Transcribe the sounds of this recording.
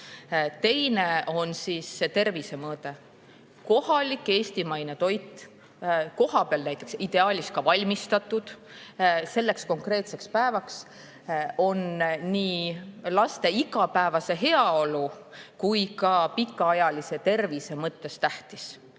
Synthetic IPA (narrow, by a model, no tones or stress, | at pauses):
t̪e̞jne̞o̞nsiːsːet̪e̞rvise̞mɤːt̪e̞ | ko̞hɑlikːe̞ːst̪imɑjnet̪o̞jt̪ˑː | ko̞hɑpeɑlnæjt̪ːˑe̞ksid̪̥e̞ɑːlʲist̪̚kɑvɑlʲmist̪ɑt̪ːˑud̪̥ | se̞lːe̞ksko̞ŋkre̞ːt̪se̞kspæevɑks | o̞nniːlɑst̪e̞iɡɑpæevɑse̞ɦe̞ɑo̞lukujkɑpikːɑɑjɑlise̞t̪e̞rvise̞mɤt̪ːe̞st̪æht̪is